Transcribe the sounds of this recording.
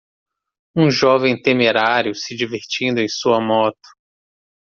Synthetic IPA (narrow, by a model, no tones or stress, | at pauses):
ũʒɔvẽj̃t̪emeɾaɾjʊsɪd͡ʒiveɾt͡ʃĩnd̪ʊẽj̃suɐmɔt̪ʊ̥